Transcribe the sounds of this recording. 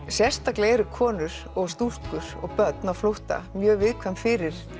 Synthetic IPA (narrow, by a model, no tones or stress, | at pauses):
sjɛst̪akleːɾʏkʰɔːnʏɾ̥ | ɔɣst̪uskʏɾ̥ɔ̰ɣpœt̪naflowht̪a̰mjœːɣvɪðkʰvɛmfɪɾɪɾ̥